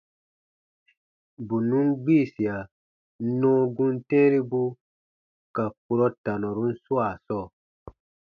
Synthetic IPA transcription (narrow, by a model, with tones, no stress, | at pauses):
bu˨nũ˦nɡ͡biː˦˨si˨a˨ | nɔ̃ː˦ɡũ˦ntɛ̃ː˦ɾi˦bu˦ | ka˨k̚u˨ɾɔ˦ta˨nɔ̃˨ɾu˨˦n̩˦su˦a˨sɔː˦˨